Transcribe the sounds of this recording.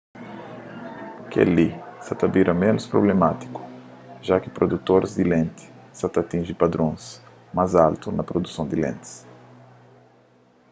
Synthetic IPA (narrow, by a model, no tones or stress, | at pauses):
kḛlisɐt̪ɐbiɾɐmẽnʊspɾo̰blemat̪i̥kʊ̥ʒakɪpɾod̪ut̪oɾzd̪ɪlẽnt̪ɪ̥sat̪at̪ĩʒɪ̃pad̪ɾõs | majzalt̪unɐpɾod̪usɐ̃w̃d̪ɪlḛ̃nt̪ɪ̥s